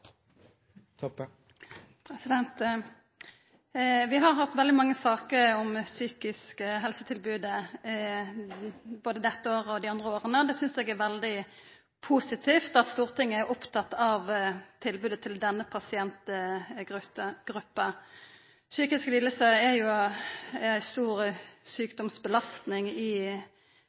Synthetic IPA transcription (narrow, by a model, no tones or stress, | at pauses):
ɔ | pʰɾɛsɪd̪ɛnt̪ | ʋɪɦɑʁɦɑt̪ʋɛld̪ɪmɑŋːəsɑːkəɾɔmsyːkɪskəɦɛlsət̪ʰɪlbʉːd̪ə | boːd̪əd̪ɛt̪ːəoːʁəɔd̪ɪɑnd̪ʁəoːʁənəd̪ɛsʏnsɛɡæɾʋɛld̪ɪ | pʰuːsɪt̪ʰiːft̪ɑt̪st̪uːʁt̪ʰɪŋːəæɾʔʊpt̪ʰɑt̪ːɑʋt̪ʰɪlbʉːd̪ət̪ʰɪld̪ɛnːəpʰɑsɪɛnt̪ɡʁʉt̪əɡ̥ɾʉpːə | syːkɪskliːləsəæjʊ | æɪst̪uːɾsyːkd̪ɔmsbəlɑst̪nɪŋɪ